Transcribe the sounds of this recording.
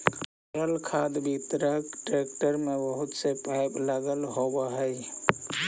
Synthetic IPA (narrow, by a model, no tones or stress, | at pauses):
ɾəlkʰaːd̪bʱit̪ɾəkʈɾeːk̚ʈəɾmẽbəɦʊt̪sepaɪblaɡəlɦobəɦɛj